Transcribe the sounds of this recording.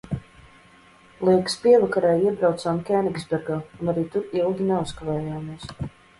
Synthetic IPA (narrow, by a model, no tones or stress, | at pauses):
lˠiɛkspiɛvakaɾajiɛbɾawt̪saːmkʲɛnikzbɛɾɡaːunaɾiːt̪uɾilˠɡʲinɛuskavɛːjaːmis